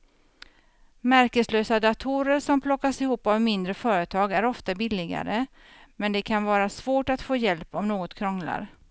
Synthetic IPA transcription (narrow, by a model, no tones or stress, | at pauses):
mæɾkəsløːsad̪at̪ʰuːɾəɾʂɔmpʰlɔkːasɪhuːpavmɪnd̪ɾəfœːɾət̪ʰɑːɡæɾɔft̪abɪlːɪɡa̰ɾə | mɛnd̪ɛkʰanvɑːɾasvoːʈat̪foːjɛlpɔmnoːɡɔt̪kʰɾɔŋla̰ɾ